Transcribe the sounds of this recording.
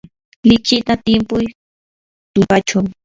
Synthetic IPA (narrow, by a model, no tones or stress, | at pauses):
lɪt͡ʃɪt̪at̪ɪmpʊj | t̪ʊpat͡ʃaw